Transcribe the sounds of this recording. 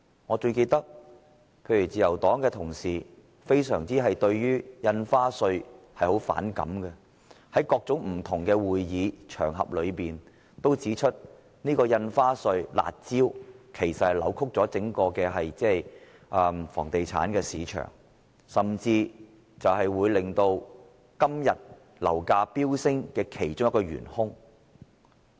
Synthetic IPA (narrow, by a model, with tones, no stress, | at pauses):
ŋɔː˨˧t͡ʃɵ˧ɥke˧t̪ɐ˥k̚ | pʰe˧jyː˨˩t͡siː˨jɐ˨˩wt̪ɔː˨˥ŋkɛː˧t̪ʰʊ˨˩ŋsiː˨ | fe˥jsœ̰ː˨˩ŋt͡siː˥ɦɐ˨jt̪ɵ˧ɥjyː˥jɐ˧nfaː˥sɵ˧ɥ | hɐ˨jho˨˥wfa̰ː˨˥nkɐ̰˨˥mkɛ˧ | hɐ˨˥jkɔː˧k̚t͡sʊ˨˥ŋm̩˨˩t̪ʰʊ˨˩ŋkɛː˧wuː˨jjiː˨˧t͡ʃʰœː˨˩ŋɦɐ̰˨p̚lɵ˨˧ɥpiː˨n | t̪o˥wt͡siː˨˥t͡ʃʰɵ˥t̚ | niː˥kɔː˧jɐ˧nfaː˥sɵ˧ɥla̰ː˨t̚t͡siː˥wkʰe˨˩jsɐ˨t̚hɐ˨˩jlɐ̰˨˥wkʰʊ˥k̚t͡sɔː˨˥t͡sɪ˨˥ŋkɔː˧kɛː˧ɦɐ˨jt͡sɛː˥j | ʔɐː˧fɔ̰ː˨˩ŋt̪e˨jt͡sʰa̰ː˨˥nkɛː˧siː˨˧t͡ʃʰœ̰ː˨˩ŋ | sɐ˨mt͡siː˧ | t͡sɐ˨whɐ˨jwuː˨˧jlɪ˨ŋt̪o˧w | kɐ˥mjɐ˨t̚ | lɐ̰˨˩wkaː˧piː˥wsɪ˥ŋkɛː˧kʰe˨˩jt͡ʃʊ˥ŋjɐ˥kɔː˧ɥy̰ː˨˩nhʊ˥ŋ